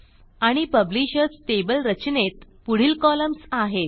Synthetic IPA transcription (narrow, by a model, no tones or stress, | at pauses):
aɽ̃ipəbliɕət͡sʈ̪ebəlɾət͡ɕnet̪puɽ̤iːlkɔləmsaɦe